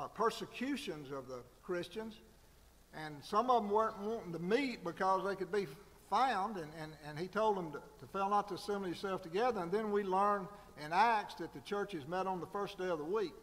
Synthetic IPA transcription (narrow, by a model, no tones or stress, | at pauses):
pʰɜ˞sɨkʰj̥ʉʃɨ̃nzʌvðəkʰɹ̥ɪst͡ʃɨ̃nz | ʔɨ̃nsʌ̃mʌṽm̩wə˞wn̩təmit̚b̥ɨkʰʌzðeɪkɨd̚bi | fãʊ̃ndɨ̃nɨ̃nɨ̃nitʰoʊlˠd̚ə̃mtʰəfɛlˠnətʰɨsɪ̃mlisɛlˠftɨɡɛðə˞ɨ̃nðɨ̃nwilɜ̃˞n | ɨ̃næk̚sðɨt̪̚ðɨt͡ʃʰɜ˞t͡ʃɨzmɛɾn̩ðəfɜ˞sd̥eɪʌvðəwik̚